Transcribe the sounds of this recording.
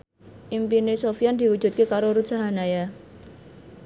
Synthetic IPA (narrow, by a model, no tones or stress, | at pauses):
ʔimpinesofiand̪̥i̤wud̥ʒ̥ṳt̪̚kekaɾoɾu̥saɦanaja